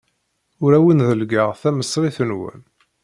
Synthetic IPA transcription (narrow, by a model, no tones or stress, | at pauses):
ʊɾæwənðəlɡəʁθæməsˤːɾiθənwə̰n